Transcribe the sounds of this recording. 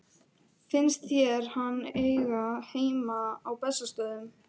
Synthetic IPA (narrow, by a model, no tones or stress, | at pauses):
fɪnst̪θçɛɾ̥hanːejɣaheːjmaawpɛsast̪œːðʏm